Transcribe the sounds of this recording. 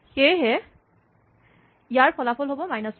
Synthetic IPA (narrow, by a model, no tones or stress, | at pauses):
xejɦɛ | ijaɹpʰɔlapʰɔlɦobɔmajnas